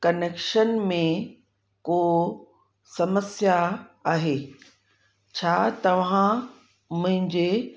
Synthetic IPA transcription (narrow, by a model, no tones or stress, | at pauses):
kɐneːkʃənmẽ | koː | sɐməsjaaːɦeː | t͡ɕʰaːt̪ɐʋ̤ã | mʊ̃ɦɪ̃ɲd͡ʑe